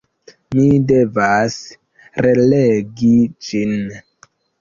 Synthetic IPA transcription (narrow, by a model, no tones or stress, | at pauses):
midevas | releɡid͡ʒin